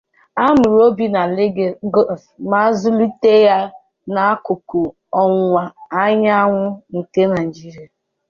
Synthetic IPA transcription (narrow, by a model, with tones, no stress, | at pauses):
a˦mʊ˨ɾo˦bi˦na˨lɪ˦ɡe˨ɡo˦˨fma˦zʊ˦li˦te˦ja˦ | na˨a˦kʊ˨kʊ˨ | ɔ˨ŋʷa˨a˦ɲa˦a˦ŋʷʊ˦n̩˨ke˦na˨d͡ʒi˦ɾi˨a˨